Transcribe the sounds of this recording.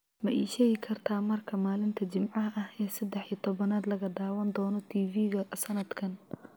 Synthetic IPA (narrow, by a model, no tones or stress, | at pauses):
mɐʔɛːʃɛːɣɪkʰɐrt̪ʰaːmɐrkʰɐmaːlɪnt̪ʰɐt͡ʃɪmʕɑɦɐʔɐhɛːsɐd̪ɛħiːɐt̪ʰɔβɐnaːd̪lɐɣɐd̪aːwɐnd̪ɔːnɔt̪ʰiːviːɣɐsɐnɐd̪kʰɐn